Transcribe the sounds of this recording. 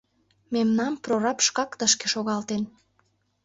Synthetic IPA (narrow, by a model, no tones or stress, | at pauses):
memnɑmproɾɑpʃkɑkt̪əʃkeʃoɣɑlt̪en